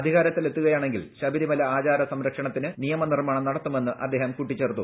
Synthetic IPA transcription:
ɐd̪ʱiɣaːɾɐt̪ːile̞t̪ːuɣɐjaːɳe̞ŋɡilɕɐbʱiɾimɐlɐaːt͡ɕaːɾɐsɐmɾɐkʂɐɳɐt̪ːinɨnijɐmɐnirmaːɳɐmnɐɽɐt̪ːume̞nːɨʔɐ̰d̪ːe̞ːɦɐmkuʈːit͡ɕːe̞ːrt̪ːu

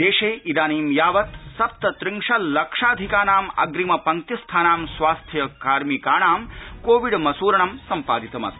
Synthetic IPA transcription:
d̪eːʂeːʔid̪aːniːmjaːʋɐt̪sɐpt̪ɐt̪ɾiŋʂɐlːɐkʂaːd̪ʱikaːnaːmɐ̰ɡɾimɐpɐŋt̪jɐst̪ʰaːnaːmsʋaːst̪ʰjɐkaːɾmikaːɳaːmkoːʋiɖmɐsuːɾɐɳɐmsɐmpaːd̪it̪ɐmɐ̰t̪

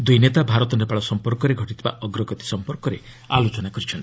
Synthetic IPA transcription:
d̪ujnet̪abʱaɾɔt̪ɔnepaɭɔsɔmpɔɾkɔɾeɡʱɔʈit̪eba̰ʔɔɡɾɔɡɔt̪i̥sɔmpɔɾkɔɾe | alot͡ʃɔnakɔɾit͡ʃʰɔnt̪i̥

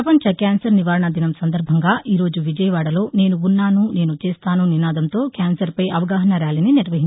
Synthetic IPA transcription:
ɐpɐɲt͡ʃɐkaːnsɐɾniʋaːɾɐɳɐd̪inɐmsɐnd̪ɐɾbʱɐŋɡaːʔiːɾo̞ːd͡ʒuʋid͡ʒɐjɐʋaːɽɐlo̞ːneːnuːnːaːnune̞ːnut͡ʃeːst̪aːnuninaːd̪ɐmt̪o̞ːkaːnsɐɾpɐjʔɐʋɐɡaːɦɐnɐɾaːlininiɾʋɐɦin

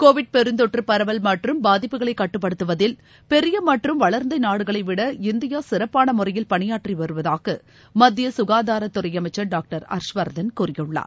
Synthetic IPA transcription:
koːʋɪɖ̚pɛɾɯnd̪ɔʈrɯpɐɾɐʋɐlmɐʈrɯmbaːðɪpːɯɣɐɭɐɪkːɐʈːɯpːɐɽɯt̪ːɯʋɐðɪl | pɛɾɪjɐmɐʈrɯmʋɐɭɐɾnd̪ɐɪnaːɽɯɣɐɭɐɪʋɪɽɐɪnd̪ɪjaːsɪɾɐpːaːnɐmʊrɐjɪlpɐɳɪjaːʈriʋɐɾɯʋɐðaːɣɐ | mɐd̪ːɪjɐsʊɣaːðaːɾɐt̪ːʊrɐjɐmɐɪt͡ʃːɐɾɖaːk̚ʈɐɾɐ̰ɾʂʋɐɾd̪ɐnkuːrɪjɯɭːa̰ːɾ

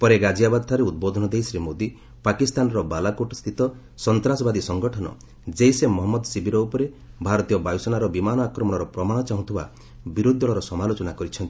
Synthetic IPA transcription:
pɔɾeɡad͡ʒijabad̪t̪ʰaɾeud̪̚bod̪ʱɔnɔd̪ejsɾimod̪i | pakist̪anɔɾɔbalakoʈɔst̪ʰit̪ɔ | sɔnt̪ɾasɔbad̪isɔŋɡɔʈʰɔnɔ̰ | d͡ʒejsemɔɦɔmːɔd̪ɔsibʱiɾɔupɔɾe | bʱaɾɔt̪ijɔbajusɔnaɾɔbimanɔakɾɔmɔɽɔɾɔpɾɔmaɽ̃ɔt͡ʃaɦũt̪ʰiba̰ | biɾud̪ʱːɔɭɔɾɔsɔmalot͡ʃɔnakɔɾit͡ʃʰɔnt̪i̥

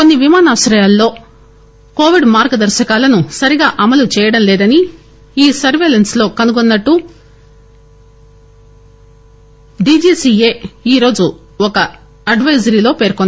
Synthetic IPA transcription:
ko̞nːiʋimaːnaːʋɐʃɾɐjaːlːo̞ː | ko̞ːʋiɖmaːɾɡɐd̪ɐɾʃɐkaːlɐnusɐɾiɡaːʔɐmɐlut͡ʃɛːjɐɽɐmlɛːd̪ɐni | iːsɐɾʋeːlenslo̞ːkɐnuɡonːɐʈːu | ɖiːd͡ʒiːsie̞ːiːɾo̞ːd͡ʒu | ɔkɐ | ɐɖʋɐjzɐɾiːlo̞ːpe̞ːɾkonː

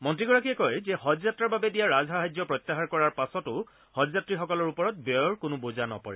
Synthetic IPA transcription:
mɔntɹiɡɔɹakijɛkɔjzɛhɔdzatɹaɹbabɛdijaɹazɦaɦajd͡ʒɔpɹɔt̪ːaɦaɹkɔɹaɹpasɔtʊ | hɔd͡ʒzatɹixɔkɔlɔɹupɔɹɔt̚bɔɹkʊnubozanɔ̰pa̰ɹɛ̰

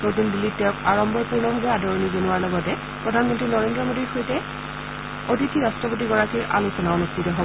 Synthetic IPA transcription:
notundilːittɛʊkaɹɔmbʱɔɹpuɹnɔbʱabɛadɔɹonizonuwaɹlɔɡɔtɛ | pɹɔdʱanmɔntɹinɔɹendɹɔmodiɹxojtɛ | otitʰiɹastɹɔpot̬iɡɔɹakiɹʔa̰lusɔnaonustʰitɔɦobɔ

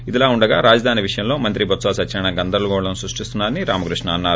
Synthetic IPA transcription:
id̪ilaːuɳɖɐɡaːɾaːd͡ʒɐd̪ʱaːniʋiʂɐjɐmloːmɐnt̪ɾibɐt̪saːsɐt͡ʃːɐɾɐɳɐɡɐnd̪ɐɾluɡɔːɽlɐnsɾuʂʈist̪unːaːɾɐniɾaːmɐkɾuʂɳɐːnːaːɾu

